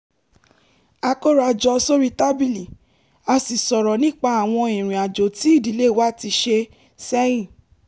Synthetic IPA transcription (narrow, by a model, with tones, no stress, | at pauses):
a˧ko˦ɾa˧d͡ʒɔ˧so˦ɾi˦ta˦bi˦li˨ | a˧si˨sɔ˨ɾɔ˨nĩ˦k͡pa˧a˨w̃ɔ̃˧ĩ˨ɾ̃ĩ˨a˨d͡ʒo˨ti˨˦i˦˨di˨˦le˦˨wa˦˨ti˧ʃe˧ | sɛ˦jĩ˦˨